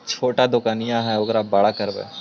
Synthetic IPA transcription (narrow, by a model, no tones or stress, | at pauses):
t͡ʃʰoːʈad̪ʊkaːnɪjãɦɛoɡɾabaɽakəɾbḛː